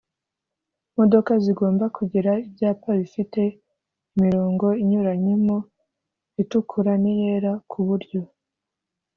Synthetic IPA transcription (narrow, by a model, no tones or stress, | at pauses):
mo̞do̞kaziɡo̞ːmbakʰuɟiɾaibjaːpaβifite̞ | imiɾo̞ːŋɡo̞iɲuɾaɲimo | itukʰuɾanije̞ːɾakʰuβuɾɟo̞